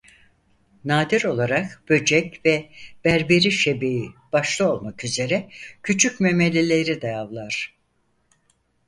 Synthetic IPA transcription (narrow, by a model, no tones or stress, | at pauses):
naːd̪iɾo̞lˠaɾakb̥ø̞d͡ʒɛcvɛb̥æɾbe̞ɾiʃe̞bib̥aʃlˠao̞lˠmakyze̞ɾɛcʰyt͡ʃʰycmeme̞lʲe̞lʲe̞ɾid̪ajavlˠaɾ̥